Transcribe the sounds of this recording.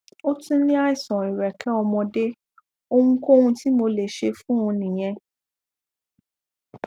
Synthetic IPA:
o˦tũ˦nĩ˦a˦i˦˨sɔ̃˨i˨ɾɛ˨kʰɛ˦ɔ˧mɔ̃˧de˦ | o˧hũ˧ko˦hũ˧ti˦mo˧le˨ʃe˧fũ˦ũ˧nĩ˨j̃ɛ̃˧

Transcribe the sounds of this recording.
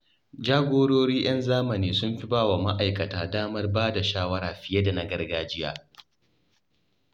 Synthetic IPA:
d͡ʒaː˦ɡʷoː˦ɽoː˦ɽiː˦j̰ɐ˦nzaː˦mɐ˨niː˨sʊ˦mɸi˦baː˦wa˨ma˦ʔa˨jkɐ˨taː˨daː˦mɐ˦rbaː˦da˨ʃaː˦wɐ˦ɾaː˨ɸɪ˨je˦da˨na˨˦ɡɐ˦rɡaː˦d͡ʒɪ˦ja̰ː˨

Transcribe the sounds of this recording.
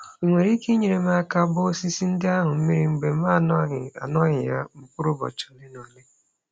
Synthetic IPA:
i˨ŋʷe˨ɾi˦ke˦ɲe˨ɾe˨ma˦a˦ka˦bʊ˦si˦si˦n̩˦dɪ˦a˦ɦʊ˨m̩˦mi˦ɾi˦ŋ͡m̩˨ɡ͡be˨m̩˦ma˦˨nɔ˦ɦɪ˨a̰˨nɔ˦ɣɪ˨ja˦m̩˨pʊ˦ɾʊ˦bɔ̰˨t͡ʃɔ̥˨nɪ˦no˨le˦

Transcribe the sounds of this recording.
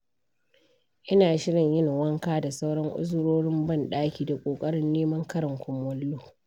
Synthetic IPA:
ʔɪ˦naː˨ʃɪ˦ɽɪ˨ɲjɪ˦ŋ˨wɐ˦ŋkaː˦da˨sa˦wɽɐ˦ŋʔʊ̰˦zɽoː˦ɽɪ˦mbɐ˦˨nɗaː˦kʲiː˨da˨kʷʼoː˨kʼɐ˦ɽɪ˦nːeː˦mɐ˦ŋkɐ˦ɾɐ˨ŋkʷʊ˦mwɔ˦lːoː˦

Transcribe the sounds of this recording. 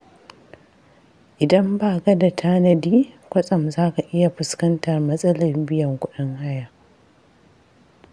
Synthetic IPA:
ʔɪ˨dɐ˦mbaː˦˨ɡɐ˦da˨tʰaː˦nɐ˨diː˦kʷɐ˦sʼɐ˨mzaː˦ka˨ʔɪ˦ja˨ɸʊ˨skɐ˦ntɐ˨rmɐ˦sʼɐ˦lɐ˨rbɪ˦jɐ˨ŋkʷʊ˦ɗɪ˦ŋha˦jaː˨

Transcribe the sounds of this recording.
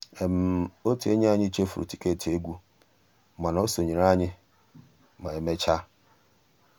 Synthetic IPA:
ɛ˨m˨o˦tʰɪ˨e˦ɲĩ˦a˦˨ɲɪ̃˦t͡ɕʰe˦fʊ˨ɾ̰tʰi˦kʰe˦˨tʰɪ˨e˦ɡʷu˦˨ | mã˨nã˨o˦so˨ɲĩ˨ɾã˦ɲɪ̃˦ | mã˨ɛ˨mɛ˨t͡ɕʰa˦

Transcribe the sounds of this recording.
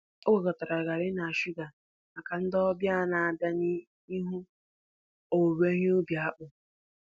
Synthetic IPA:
o˦we˨kɔ˨ta˨ɾa˨ɡa˨ɾɪ˦na˨a˨ʃu˦ɡa˨ | ma˨ka˨n̩˦dɔ˦bja˦na˨a˨ba˦ni˦ | i˦ɦu˦ | o˨we˦ɲ˦bja˨a˦k͡pʊ˨

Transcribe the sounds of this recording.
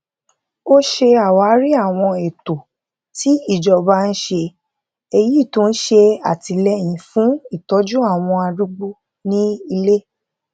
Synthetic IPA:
o˦ʃe˧a˨wa˨˦ɾi˦a˦˨w̃ɔ̃˧e˨to˨ | ti˨˦i˦˨d͡ʒɔ˨ba˦n̩˦ʃe˧ | e˧ji˨˦i˦˨tõ˦n̩˦ʃe˧a̰˦˨ti˧lɛ˦˨j̃ĩ˨fũ˨˦i˦˨tɔ˨˦d͡ʒu˦a˦˨w̃ɔ̃˧a˧ɾu˦ɡ͡bu˦ | nĩ˦i˧le˦

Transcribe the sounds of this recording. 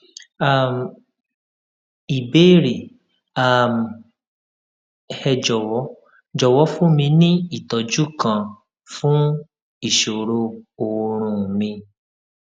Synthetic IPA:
a˨m˨ | i˨be˦ɾi˨ | a˨m˨ | hɛ˧d͡ʒɔ˨wɔ˨˦ | d͡ʒɔ˨wɔ˨˦fũ˦mĩ˧nĩ˦i˦˨tɔ˨d͡ʒu˦kã˨ | fũ˦ | i˦˨ʃo˨ɾo˧o˨˧ɾ̃ũ˧˨mĩ˧

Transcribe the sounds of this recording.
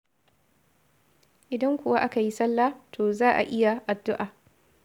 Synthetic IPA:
ʔɪ˨dɐ˦ŋkʷʊ˨wa˦ʔa˦ka˨ji˦sɐ˦lːaː˦tʰoː˨zaː˦ʔa̰˨ʔɪ˦ja˨ʔa˨dːʊ˦ʔaː˨

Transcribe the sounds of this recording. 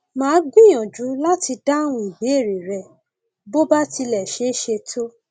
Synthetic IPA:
mãː˨˦ɡĩ˦j̃ɔ̃˨d͡ʒu˨˦la˦ti˧da˦˨w̃ũ˧i˨be˨˦e˦˨ɾi˨ɾɛ˧˨ | bo˦ba˦ti˧lɛ˨ʃe˦ʃe˧tʰo˦

